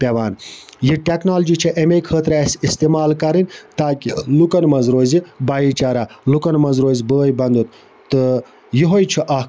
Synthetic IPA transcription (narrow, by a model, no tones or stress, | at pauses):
pʲeʋaːnjiʈʲeknaːld͡ʒit͡ʃʰɐʔemekʰət̪ɾasist̪imaːlkɐɾinʲt̪aːkʲilukɐnmɐzɾoːzibaːjit͡ʃaːɾalukɐnmɐzɾoːzibəːjbɐnd̪ut̪̚ | t̪ɨ | jiɦojt͡ʃʰiʔɐ